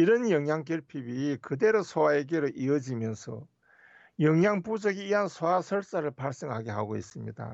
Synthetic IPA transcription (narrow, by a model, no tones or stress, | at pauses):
iɾʌnjʌŋjaŋkjʌɭpʰibikɯde̞ɾosʰowaeɡeɾoʔiʌd͡ʑimjʌnsʰʌ̰ | jʌŋjaŋpud͡ʑʌɡiːɦansʰoasʰʌɭs͈aɾɯɭpaɭs͈eŋɦaɡeɦaɡois͈ɯmɲḭda̰